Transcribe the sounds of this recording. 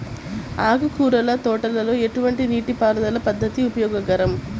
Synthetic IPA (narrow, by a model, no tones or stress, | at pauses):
aːɡukuːɾɐlɐt̪ɔːʈɐlɐlo̞ːe̞ʈuʋɐɳʈiniːʈipaːɾɐd̪ɐlɐpɐd̪ːɐt̪iupɐjɔːɡɐɡɐɾɐm